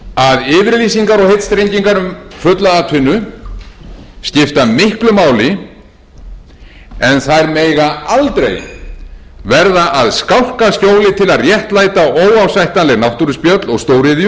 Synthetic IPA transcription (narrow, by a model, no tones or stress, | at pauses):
aðɪːvɪɾliːsiŋkaɾɔɣhejt̪st̪ɾejɲciŋkaɾʏmfʏt̪laaːt̪ʰɪnːʏ | scɪft̪amɪhklʏmaːwlɪ | ɛnθaɛɾmeːjɣaalt̪ɾḛj | vɛɾðaʔaðskawr̥kascoːwlɪt̪ʰɪlaðrjɛht̪laːjt̪aoːwawsajht̪anlɛɣnawht̪uɾʏspjœt̪lɔɣst̪oːwɾɪðj